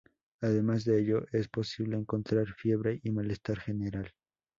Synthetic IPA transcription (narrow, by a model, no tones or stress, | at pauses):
aðe̞mazðe̞eʎo̞ʔe̞spo̞siβle̞ːŋko̞nt̪ɾaɾfje̞βɾe̞ʔimale̞st̪aɾxe̞ne̞ɾal